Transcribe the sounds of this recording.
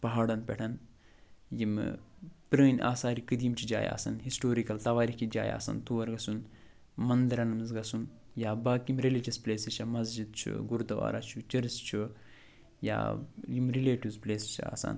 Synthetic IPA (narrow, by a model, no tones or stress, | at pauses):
pɐɦaːɽɐnpʲɛʈʰɐn | jimpɾəːnʲʔa̰ːsaːɾikɨd̪iːmt͡ʃʰid͡ʒa̰ːja̰ːsɐnɦisʈoːɾikɐlt̪ɐʋaːɾikid͡ʒa̰ːja̰ːsɐ̰nt̪uʋɐɾɡɐsun | mɐnd̪ɐɾɐnɐmzɡɐsun | jaːbaːkimɾelid͡ʒɐspleːsit͡ʃʰɐmɐzd͡ʒid̪̚t͡ʃʰṵɡuɾd̪ɐʋa̰ːɾat͡ʃʰut͡ʃɐɾst͡ʃʰu | ja̰ːjimɾileːʈiʋzpleːsit͡ʃʰa̰ːsa̰ːn